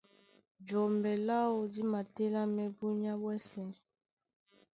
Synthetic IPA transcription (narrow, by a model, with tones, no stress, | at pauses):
d͡ʒɔ˨mbɛ˨la˦o˨di˦ma˨te˦la˦mɛ˦bu˦ɲ˦a˦bwɛ˦sɛ˨